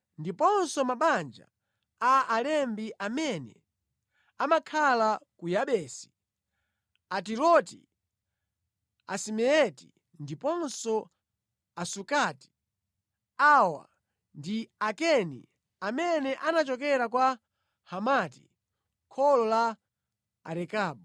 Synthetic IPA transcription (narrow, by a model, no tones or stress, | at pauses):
ndipɔnsɔmaɓand͡ʒa̰ | aːlɛmbiʔamɛnɛ̰ | amakʰalakujaɓɛːsi̥ | atiɾɔtḭ | a̰simɛɛti | ndipɔnsɔ | asukati̥ | awa̰ | ndiakɛnḭ | amɛnɛʔanat͡ʃɔk̬ɛɾakwa | hamatḭ | kʰɔlɔla̰ː | ɾɛkaːɓɔ